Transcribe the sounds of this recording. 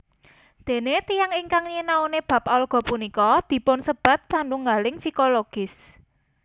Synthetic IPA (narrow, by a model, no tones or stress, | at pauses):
d̪̥e̤net̪ijaŋiŋkaŋɲənaoneb̥ä̤p̚ɔlɡ̥ɔ̤punikɔd̪̥i̤pʊnsəb̥a̤t̪̚kaɳɖuŋɡalɪŋfikoloɡ̥ɪs